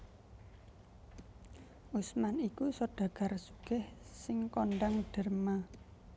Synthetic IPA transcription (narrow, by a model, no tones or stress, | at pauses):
ʔusmanikusoɖ̥a̤ɡ̥a̤rsuɡ̥ɛhsɪŋkoɳɖaŋɖ̥ə̤rma